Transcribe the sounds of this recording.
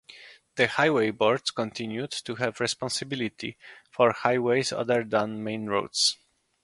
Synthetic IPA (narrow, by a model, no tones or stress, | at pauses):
ð̥əhajwejbɔɹdskɔ̃nt̪ʰĩnjud̪tuɦɛvɹɛspɔ̃nsɪbilit̪ʰifɔɹhajwejza̰d̪əɹd̪ãnmẽɪ̃nɹo̰wd̪s